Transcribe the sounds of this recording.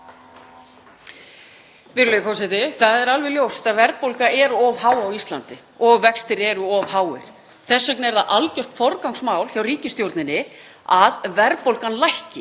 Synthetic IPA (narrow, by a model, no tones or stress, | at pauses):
vɪɾlœʏjðfɔwsɛt̪ɪθaðɛɾalvɪljowst̪aðvɛɾpowlkaɛɾʏɔvɦaːwawist̪la̰nt̪ɪ | ɔɣvɛkst̪ɪɾɛɾʏɔvɦaːwɪ̰ɾ̥ | θɛsːœknɛɾðaʔalcœr̥t̪fɔɾkawŋksmaːwlçawriːcɪst̪jowɾt̪nɪnːɪ | aðvɛɾpowlkanlajhcɪ